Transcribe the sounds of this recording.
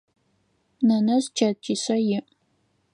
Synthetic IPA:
nɐnɐzt͡ʃʰɐt͡ʃʰisɐjɪʔ

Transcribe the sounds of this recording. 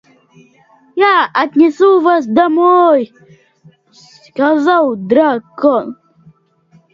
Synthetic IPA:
jaɐt̪ʲnʲɪsuvas̬d̪ɐmɔj | s | kazalˠd̪ɾakɔn

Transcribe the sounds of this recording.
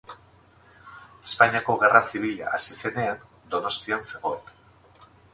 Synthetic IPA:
e̥spaɲiako̞ɣe̞rasiβ̞iʎa̰ːsise̞ne̞an | d̪o̞no̞st̪ianse̞ɣ̞o̞en

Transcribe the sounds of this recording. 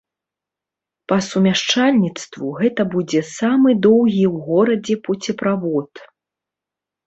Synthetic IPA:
pɐsumʲaʂt͡ʂalʲnʲit̪st̪vuɣɛt̪ɐbud͡zʲɛsamɨd̪ɔwɣʲiwɣɔɾɐd͡zʲɛpɔt͡sʲɛpɾavɔt̪

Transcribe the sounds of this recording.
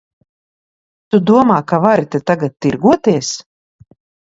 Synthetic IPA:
t̪ud̪uɔmaːkavaɾit̪ɛt̪aɡat̪̚ːiɾɡuɔt̪iɛs

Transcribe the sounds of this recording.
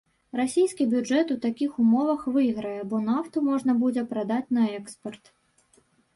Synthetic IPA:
rasʲejskʲibʲud͡ʐɛt̪ut̪akʲixumɔvɐxvɨjɣɾɐjɛbɔnaft̪umɔʐn̪ɐbud͡zʲɛpɾad̪at͡sʲn̪ɐɛkspɐrt̪

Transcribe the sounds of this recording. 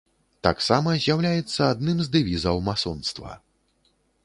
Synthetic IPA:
t̪a̰ksamɐzʲjawlʲajɛt̪sːɐad̪nɨmzd̪ɨvʲizɐwmasɔnst̪vɐ̰

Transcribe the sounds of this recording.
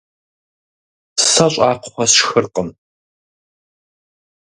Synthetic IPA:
sɐɕʼɑːqχʷɔsxɨrqəm

